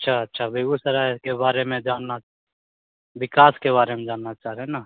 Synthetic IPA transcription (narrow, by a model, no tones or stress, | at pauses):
ɐtːʃʰaɐtːʃʰabʱeɡusəɾakebaːɾemẽd͡ʒaːnːa | ʋɪkaːskeβaːɾemẽd͡ʒaːnːat͡ʃaːɦɾeenaː